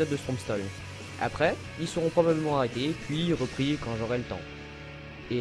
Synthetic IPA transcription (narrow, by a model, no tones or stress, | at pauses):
ɔd̪ːəst̪χɔ̃mpst̪ɔl | a̰pχɛ | ilsəʁɔ̃pχɔbabləmɑ̃aʁet̪epɥiʁəpχikɑ̃ʒɔʁɛlət̪ɑ̰̃ | e